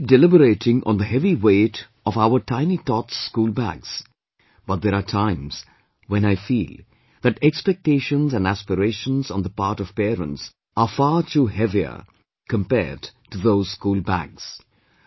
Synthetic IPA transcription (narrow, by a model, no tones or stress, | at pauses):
dɛlɪbəɾeɪʈɪ̃ŋʔɔ̰̃nðəɦɛviweɪt | ɔvaʊə˞tʰãɪ̃nit̪ɔtskuːlˠbæ̰ɡz̥ | b̥ʌt̪̚dðɛɾatʰãɪ̃mz̥ | wɛ̃naɪfiːlˠ | ðætɛkspɛk̚teɪʃə̃nzæ̃næspəɾeɪʃə̃nzɔ̃n̩ðəpaːɾʈɔv̥pɛːɾə̰̃nts | afaːtʰuɦɛviə̰ | kʰə̃mpɛ̰ːdtuðoʊz̥skuːlbæ̰ɡz̥